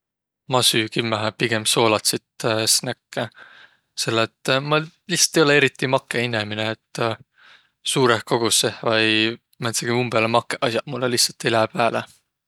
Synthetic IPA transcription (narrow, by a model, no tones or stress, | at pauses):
mɑsyːkimːæɦæpiɡ̥e̞mso̞ːlɑt̪sit̪snækːe | se̞lːet̪ːˑmɑ | lihsˑɑ̥t̪ːˑejo̞lee̞ɾit̪ːˑimɑkːˑeinemineːt̪ːˑ | suːɾehko̞ɡ̥usevɑj | mæt̪seɡ̥imumbeɑlemɑkːˑeʔɑsjɑmulːelihsɑt̪ːilæpæːle